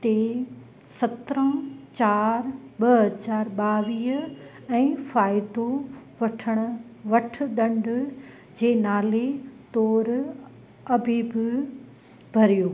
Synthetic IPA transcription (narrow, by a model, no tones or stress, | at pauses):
t̪e | sɐt̪ɾə̃t͡ɕaːɾɓɐɦɐzaːɾɓaːʋiːɦ | ɛ̃ːfaːɪd̪oʋɐʈʰəɽ̃ʊ̆ʋɐʈʰɗ̪ɐ̃ɳɖ | d͡ʑeːnaːlet̪ɔːɾ | ɐbʱiːbɪ | bʱɐɾijoː